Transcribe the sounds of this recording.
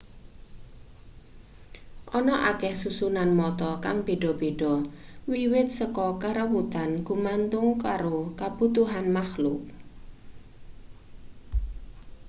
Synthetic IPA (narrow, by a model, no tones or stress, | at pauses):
ʔɔnɔʔakɛhsusunanmɔt̪ɔkaŋb̥e̤ɖ̥ɔ̤b̥eɖ̥ɔ̤wiwɪt̪̚səkɔkəɾəwut̪anɡ̥umant̪ʊŋkaɾokab̥ṳt̪uɦanmaxlʊk̚